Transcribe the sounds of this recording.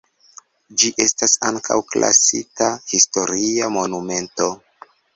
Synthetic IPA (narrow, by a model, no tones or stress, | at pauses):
d͡ʒiʔe̞stasaŋkʰa̰wklʔa̰sitahisto̞ɾiamo̞nume̞nto̞